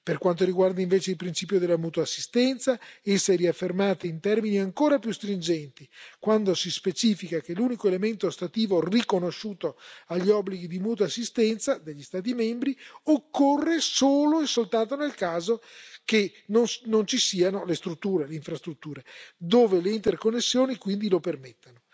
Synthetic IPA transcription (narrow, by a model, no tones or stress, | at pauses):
perkwant̪oɾiɡward̪aiɱveːt͡ʃeilpɾint͡ʃiːpjod̪elamuːt̪oasːi̥st̪ɛnt̪saɛsːeɾiafːermaːt̪eint̪ɛrminiaŋkoːɾapjust̪ɾind͡ʒɛnt̪ikwand̪osispet͡ʃiːfikakelːuːnikoelement̪ost̪at̪iːvorikonoʃːuːt̪oaʎːiɔbːliɡid̪imuːt̪̬oasːist̪ɛnt̪sad̪eʎːist̪aːt̪̬imɛmbɾiokːorːesoːloesːolt̪ant̪onelkaːzoke | nonnont͡ʃisiːanolest̪ɾut̪ːuːɾeleiɱfɾast̪ɾut̪ːuːɾed̪oːveleint̪erkonːesːjoːnikwind̪ilopermet̪ːano